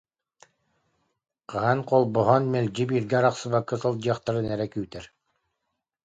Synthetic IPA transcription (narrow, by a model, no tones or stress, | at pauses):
qaɦanqɔlˠbɔɦɔnmɛlʲd͡ʑibiːɾɡɛɾaqsɯβakːɯsɔlˠd͡ʑɯɐχt̪aɾɯnɛɾɛkyːt̪ɛɾ